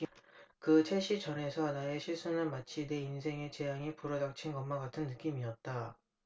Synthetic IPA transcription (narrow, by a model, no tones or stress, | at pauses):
kɯt͡ɕʰeɕʰit͡ɕʌne̞sʰʌnaeɕʰiɭs͈unɯnmat͡ɕʰine̞insʰe̞ŋet͡ɕe̞jaŋipuɾʌdak̚t͡ɕʰinkʌmːaɡatʰɯnːɯk͈imiʌt̚t͈a